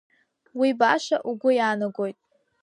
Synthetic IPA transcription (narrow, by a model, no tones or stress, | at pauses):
wibaʂaʔuɡʷʊjaːnɨɡojtʼ